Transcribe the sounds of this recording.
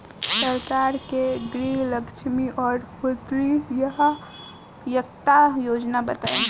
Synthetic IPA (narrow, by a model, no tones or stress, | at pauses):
səɾkaːɾkeɡɾiləkt͡ʃʰmiʔɔːɾhot̪ɾijəɦ | jəkt̪ajoːd͡ʒnabət̪a̰ːẽ